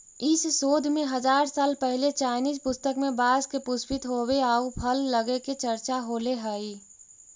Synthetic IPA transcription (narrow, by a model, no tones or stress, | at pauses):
ɪsːoːd̪ʱmẽɦɐzaːɾsaːlpɛɦlet͡ʃaːnizpʊst̪əkmẽbaːzkepʊspɪt̪ɦoweaːupʰəlːəɡeket͡ʃəɾt͡ʃaɦoːleɦəi